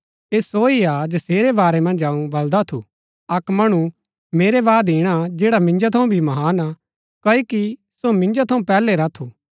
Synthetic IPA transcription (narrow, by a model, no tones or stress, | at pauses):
eːsoːiad͡ʒɐseːɾebaːɾemɐ̃nd͡ʒaːũbɐld̪at̪ʰṵ | ɐkmɐɽ̃ũ | meːɾeʋaːd̪iːɽ̃ad͡ʒeːɽamɪ̃nd͡ʒot̪ʰɐũbʱimɐɦaːna | kɐiki | somɪ̃nd͡ʒat̪ʰɐũpɛːleɾɐt̪ʰuː